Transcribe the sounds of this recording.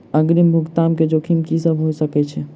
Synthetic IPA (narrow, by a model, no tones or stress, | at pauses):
əɡɾimbʱuɡt̪amked͡ʒokʰimkisəbɦojsəkɛt͡ʃʰɛ